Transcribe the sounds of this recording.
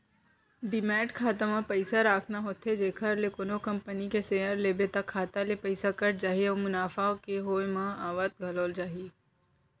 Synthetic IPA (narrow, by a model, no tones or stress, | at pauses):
ɖɪmɛːʈkʰaːt̪amãpɐɪsaɾaːkʰnaɦoːt̪ʰed͡ʒeːkʰəɾlekoːnokɐ̃mpənikeseːəɾleːbet̪ɐkʰːaːt̪alepɐɪsakɐɾd͡ʒaːɦieɔːmʊnaːfaokeɦoːmãaːʋət̪̚ɡʱɐloːld͡ʒaːɦie